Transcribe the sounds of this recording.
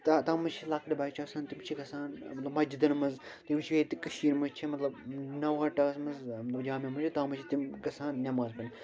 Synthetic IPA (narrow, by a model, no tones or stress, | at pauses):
t̪at̪aːmɐt͡ʃʰilaːkɐɾibaːt͡ʃʰɐːksaːnt̪imt͡ʃʰikɐsaːnmɐt̪lɐbmɐd͡ʒid̪ɐnmɐzt̪imt͡ʃʰiʋeːt̪ikɐʃiːɾmɐzt͡ʃʰimɐt̪lɐbnɐwɦɐʈɐːsmɐzmɐt̪lɐbd͡ʒaːmemɐt͡ʃʰit̪aːmɐt͡ʃʰit̪imkɐsaːnnʲɐmaːzkɐn